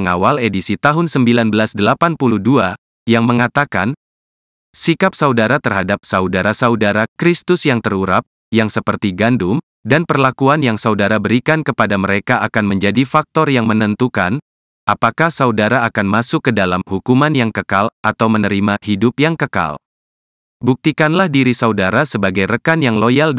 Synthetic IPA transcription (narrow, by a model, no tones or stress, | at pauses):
əŋawaledisit̪aɦʊnsəmbilanbəlasdəlapanpuluhdua | jaŋməŋat̪aka̰n | sikap̚saudaɾat̪ərhadap̚saudaɾasaudaɾakɾist̪ʊsjaŋt̪əɾuɾa̰p̚ | jaŋsəpərt̪iɡandʊm | danpərlakuanjaŋsaudaɾabəɾikankəpadaməɾekaʔakanməɲd͡ʒadifak̚t̪ɔrjaŋmənənt̪uka̰n | ʔapakahsaudaɾaːkanmasʊkːədalamhukumanjaŋkəkalʔat̪awmənəɾimahidʊpjaŋkəka̰l | buk̚t̪ikanlahdiɾisaudaɾasəbaɡajɾəkanjaŋlojal